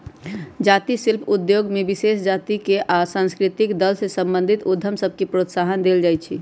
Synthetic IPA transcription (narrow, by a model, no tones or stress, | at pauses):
d͡ʒat̪isilpʰud̪joɡmebisesd͡ʒat̪ikeʔasãnskɾit̪ikd̪əlsesə̃mbə̃nd̪ʱit̪ud̪ʱəmsəb̚ʱkepɾot̪saɦənd̪eld͡ʒajt͡ʃʰi